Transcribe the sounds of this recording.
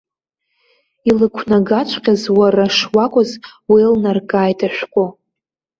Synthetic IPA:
ilɨkʷʰnaɡat͡ʃʷʰqʲazwaraʂwakʷʼʊzwilnarkʼaːjtʰʼaʃᶣʷkʷʼo

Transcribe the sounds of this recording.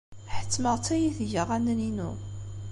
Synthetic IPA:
ħə̥t͡sːməʁt͡sːæjiθʝəʁænəninṵ

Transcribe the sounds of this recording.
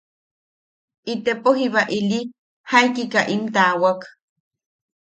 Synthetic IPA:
ʔit̪epoɦiβaʔili | hajkikaʔimt̪aːwak

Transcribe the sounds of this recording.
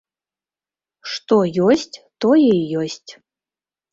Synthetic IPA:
ʂt̪ojosʲtʲt̪ojejosʲtʲ

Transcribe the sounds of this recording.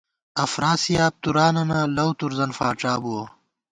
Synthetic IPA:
ɐfɾaːsijaːp̚t̪uɾaːnɐnalɐwt̪uɾzɐnfaːʈ͡ʂaːbuo

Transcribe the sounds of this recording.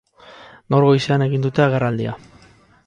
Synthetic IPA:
noɾɣo̞jseane̞ɣind̪ut̪e̞aɣerald̪ia̰

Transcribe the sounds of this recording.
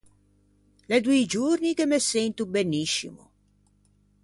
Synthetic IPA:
led̪uid͡ʒurnikemːesɛnt̪ubenːiʃːḭmṵ

